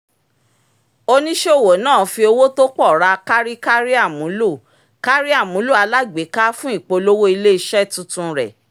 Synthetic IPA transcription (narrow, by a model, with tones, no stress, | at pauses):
o˧nĩ˦ʃe˦o˦˨wo˨˦nãː˦˨fi˧o˧wo˦to˦k͡pɔ˦˨ɾa˧ka˦ɾi˦ka˦ɾi˦a˦˨mũ˨˦lu˦˨ | ka˦ɾi˦a˦˨mũ˨˦lu˦˨a˧la˦ɡ͡be˨˦ka˦fũ˦i˦˨k͡po˧lo˦wo˦i˧le˦i˧ʃɛ˦˨tũ˧tũ˧ɾɛ̰˨